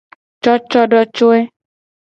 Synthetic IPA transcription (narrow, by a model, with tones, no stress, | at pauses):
t͡ʃɔ˦t͡ʃɔ˦ɖɔ˦t͡ʃo˦e˦